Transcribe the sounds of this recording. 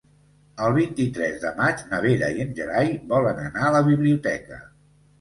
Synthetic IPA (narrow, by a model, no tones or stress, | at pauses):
əlˠβ̞int̪it̪ɾɛzðəmad͡ʒnəβeɾə̰iənʲʒəɾajβɔlənənaələβiβliut̪ɛkə̰